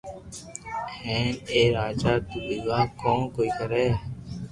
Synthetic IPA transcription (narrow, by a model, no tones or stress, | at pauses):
hɛ̃ːneːɾaːd͡ʒaːt̪uːbiɡaːkõːkoːiːkəɾeː